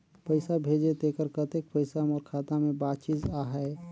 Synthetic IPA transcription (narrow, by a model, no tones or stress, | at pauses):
pəɪsabʱeːd͡ʒet̪ekəɾkət̪ek̚pəɪsamɔːɾkʰaːt̪amẽbaːd̪t͡ʃizaɦɛe